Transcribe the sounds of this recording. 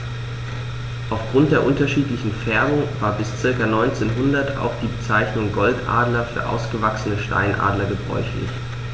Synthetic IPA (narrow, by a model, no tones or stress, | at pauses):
ʔaʊfɡ̥ʁʊnt̚d̥eːɐʔʊntɐʃiːtlɪçn̩fɛɐbʊŋvaːɐbɪst͡sɪɐkɐnɔʏnt͡seːnɦʊndɐta̰ʊxd̥iːbət͡saɪçnʊŋɡɔltʔa̰ːdlɐfyːɐʔa̰ʊsɡ̥əvaksənəʃta̰ɪnʔa̰ːdlɐɡəbʁɔ̰ʏçlɪ̰ç